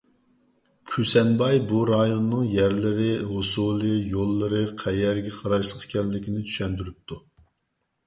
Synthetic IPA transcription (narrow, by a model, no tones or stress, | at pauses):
kʲʰysɛnbɑjbuɾɑjonːɨŋjɛɾlɪɾɪɦosulˠɨjolˠːɨɾɨqʰɛjɛɾɡʲɛqʰɑɾɑʃlˠəqkʲʰɛlːɪkʲinɪt̪ʰy̥ʃɛnd̪yɾyp̚t̪ʰu